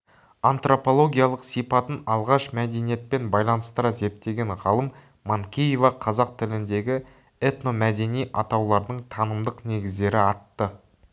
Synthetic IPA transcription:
ant̪ro̞po̞lˠo̞ɡʲijalˠəqsijpɑt̪ənɑlˠʁɑʃmæd̪e̞nije̞t̪̚pe̞nbɑjlˠɑnəst̪əɾɑze̞ɾt̪ːe̞ɡʲe̞nʁɑlˠəmː | oŋkʲijevɑqʰɑzɑq̚t̪ʰɪlɪnd̪e̞ɡʲɪ | et̪no̞mæd̪e̞nijʔɑ̰t̪ɑwlˠɑɾd̪əɴt̪ʰɑnəmd̪əqne̞ɡʲɪzd̪e̞ɾɪɑt̪ːə

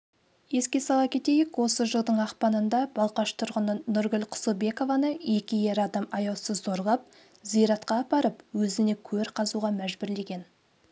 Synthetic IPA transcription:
je̞skʲe̞sɑlˠɑp̚kʲʰe̞t̪e̞jɪkwo̞səʒəlˠd̪əɴɑqpɑnənd̪ɑbɑlˠqɑʃt̪ʰʊɾʁənənʊɾɡʲʏlqʰʊ̥sobe̞ko̞vɑnəe̞kʲɪje̞ɾɑd̪ɑmɑjɑwsəzːo̞ɾʁˠɑp̚ | zijɾɑt̪qɑːpɑɾəpwɵzɪne̞kʲʰɵɾqʰɑzuʁɑmæʒbʏɾle̞ɡʲe̞n

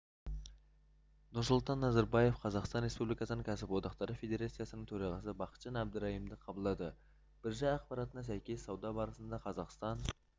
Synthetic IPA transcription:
nʊɾsʊlˠt̪ɑnːɑzɑɾbɑje̞fqʰɑzɑqst̪ɑnɾe̞spublijkɑsənəŋkʰæsɪpwot̪ɑqt̪ɑɾəfe̞d̪ʲe̞ɾɑt̪sijɑsənəɴt̪ʰɵɾɑʁɑsəbɑqə̥t̪ʒ̥ɑnæb̚d̪əɾɑhimd̪əqʰɑbəlˠd̪ɑd̪ə | b̥ɪɾʒɑjɑqpɑɾɑt̪ənɑs̬æjkʲe̞sːɑwd̪ɑbɑɾəsənd̪ɑqʰɑzɑqst̪ɑn

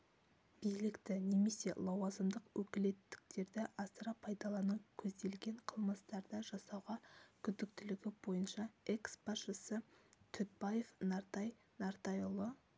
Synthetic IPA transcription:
b̥ijlɪkt̪ɪne̞me̞se̞lˠɑwɑzəmd̪əqwɵkʲɪle̞t̪ːɪ̥k̚t̪e̞ɾd̪ɪʔɑst̪ɾɑpʰːɑjd̪ɑlˠɑnəɴkʲʰɵzd̪e̞lɡʲe̞ɴqʰəlˠməst̪ɑɾd̪əʒɑsɑwʁɑkʲʰʏzd̪ɪk̚t̪ɪlɪɡʲɪbo̞jənʃɑeksb̥ɑʃəsət̪ʰʏt̪̚baje̞fnɑɾt̪ɑj | naɾt̪ɑjʊlˠə

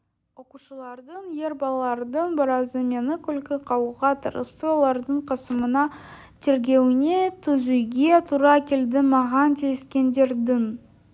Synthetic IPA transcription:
wo̞quʃəlˠɑɾd̪əɴje̞ɾbɑlˠɑlˠɑɾd̪əɴbəɾɑzəmʲe̞nɪkʲɵlkʲɪqʰɑwuʁɑt̪ʰə̰ɾə̰st̪əolˠɑɾd̪əɴqʰɑsəmənɑ | t̪ʰe̞ɾɡʲe̞wɪne̞t̪ʰɵzujɡʲe̞t̪ʰuɾɑkʲʰeld̪ɪmɑʁɑnt̪ʰejɪskʲe̞nd̪e̞ɾd̪ɪŋ

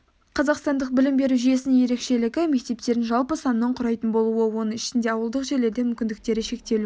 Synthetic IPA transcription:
qʰɑzɑqst̪ɑnd̪əq̚bɪlɪmbe̞ɾuʒije̞sɪnɪnje̞ɾe̞kʃe̞lɪɡʲɪme̞k̚t̪e̞p̚t̪e̞ɾɪnʒɑlˠpəsɑnəːəɴqʰʊɾɑjt̪ənbo̞lˠuəwo̞nəŋɪʃɪnd̪e̞ɑwəlˠd̪əqʒe̞ɾle̞ɾd̪e̞mʏmkʲɪnd̪ɪk̚t̪e̞ɾɪʃe̞k̚t̪e̞lu

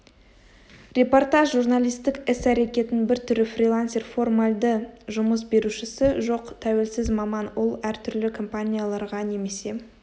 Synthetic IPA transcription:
rʲe̞po̞rt̪aʒʒurnalijst̪ɪkɪsæɾe̞kʲe̞t̪ɪnbɪɾt̪ʰʏɾɪfrʲilˠansʲe̞rfo̞rmalʲd̪əʒʊməs̬be̞ɾuʃɪsɪʒo̞qt̪ʰæwe̞lsɪzmɑmɑnwolˠæɾt̪ʰʏɾlɪkʰo̞mpanʲijalˠɑɾʁɑne̞me̞se̞

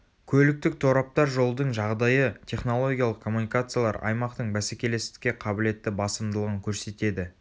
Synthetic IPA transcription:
kʲʰɵlɪk̚t̪ɪk̚t̪ʰo̞ɾɑp̚t̪ɑɾʒo̞lˠd̪əɴʒɑʁd̪ɑjət̪ʰʲe̞χno̞lˠo̞ɡʲijalˠəqkʰo̞mːunijkat̪sɨjalˠɑɾɑ̰jmɑqt̪əɴbæsekʲe̞le̞st̪ɪ̥kʲːe̞qʰɑbɪle̞t̪ːɪbɑsəmd̪əlˠəʁəŋkʲʰɵɾse̞t̪e̞d̪ɪ

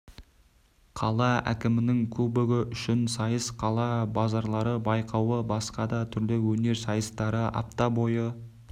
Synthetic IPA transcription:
qʰɑlˠɑæ̰kʲɪmɪnɪŋkʲʰɵbɪɡʲɪʔʏʃɪnsɑjəsqʰɑlˠɑbɑzɑɾlˠɑɾəbɑjqʰɑwəbɑsqɑd̪ɑt̪ʰʏɾd̪ewɵne̞ɾsɑjəst̪ɑɾəʔɑ̰p̚t̪ɑbo̞jə

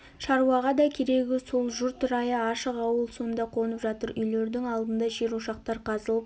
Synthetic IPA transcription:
ʃɑɾuɑʁɑd̪ɑkʲʰeɾe̞ɡʲɪso̞lˠʒʊɾt̪ʊɾɑjəɑʃəqɑwəlˠsond̪ɑqʰo̞nəpʒɑt̪əɾʏjle̞ɾd̪ɪŋɑlˠd̪ənd̪ɑʒeɾuʃɑq̚t̪ɑɾqʰɑzəlˠəp

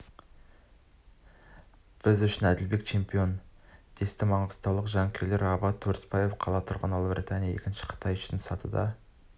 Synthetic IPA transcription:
b̥ɪzʏʃɪnæd̪ɪlbe̞k̚t͡ʃʰe̞mpio̞nd̪̥e̞st̪ɪmɑɴəst̪ɑwlˠəqʒɑŋkʲʰele̞ɾɑbɑt̪ʰːuɾspɑje̞fqʰɑlˠɑt̪ʰʊɾʁənɑlˠəbɾʲʔḭt̪ʰɑnijɑe̞̰kʲɪnʃɪ̥qʰə̥t̪ʰɑjʏ̥ʃɪnsɑt̪ə̰d̪ɑ̰

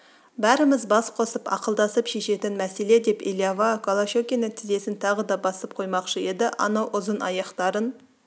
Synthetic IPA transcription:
bæɾəməzbɑsqʰo̞səpɑ̰qəlˠd̪ɑsəpʃe̞ʃe̞t̪ɪnmæse̞le̞d̪e̞pḛlʲjavakʰolˠaʃokʲenæt̪ʰize̞sɪnt̪ʰɑʁəd̪ɑbɑsəp̚qʰo̞jmɑqʃəe̞d̪ɪʔɑ̰nɑwʔʊzənɑ̰jɑqt̪ɑɾən

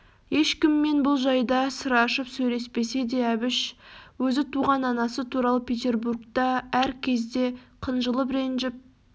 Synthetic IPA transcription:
je̞ʃkʲɪmːe̞nbʊlˠʒɑjd̪ɑsəɾɑʃəpsɵjle̞spe̞se̞d̪e̞æbɪʃwɵzɪt̪ʰuʁɑnɑnɑsət̪ʰuɾɑlˠəpʲʰet̪e̞rburkt̪ɑæɾkʲʰe̞zd̪e̞qʰənʒəlˠəpɾenʒɪp̚

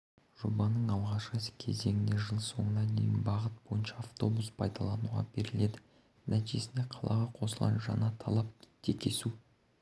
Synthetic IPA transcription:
ʒ̥o̞bɑnəɴɑlˠʁɑʃqəsə̥kʲʰe̞̰ze̞ŋʲɪne̞ʒəlˠso̞̰ɴənɑd̪ḛjɪnbɑʁət̪̚b̥o̞jənʃɑːft̪o̞buspʰɑjd̪ɑlˠɑnuʁɑ̰be̞ɾɪle̞d̪ɪ | næt̪iʒesɪne̞qʰɑlˠɑ̰ʁɑqʰo̞səlˠʁɑ̰nʒɑ̰nɑt̪ʰɑlˠɑpt̪ʰe̞kʲʰe̞su

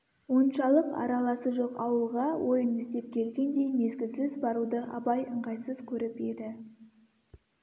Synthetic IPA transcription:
wo̞nʃɑlˠəqɑ̰ɾɑlˠɑsəʒo̞qɑwəlˠʁɑwʔo̞jənɪst̪e̞p̚kʲʰe̞lɡʲe̞nd̪e̞jne̞zɡʲɪsɪzbɑɾud̪əʔɑ̰bɑjəɴʁɑjsəzkʲʰɵɾɪpe̞d̪ɪ

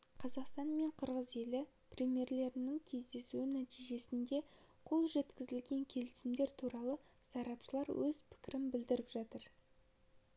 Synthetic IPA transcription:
qʰɑzɑqst̪ɑnme̞ɴqʰəɾʁəze̞lɪ | prʲimje̞ɾle̞ɾɪnɪŋkʲʰe̞zd̪e̞suwɪnæt̪ijʒe̞sɪnd̪e̞qʰo̞lˠʒe̞t̪kʲɪzɪlɡʲe̞ŋkʲʰe̞lɪsɪmd̪e̞ɾt̪ʰuɾɑlˠəsɑɾɑpʃəlˠɑɾwɵz̥pʰɪ̥kʲɪɾɪmbɪld̪ɪɾɪpʒɑt̪əɾ

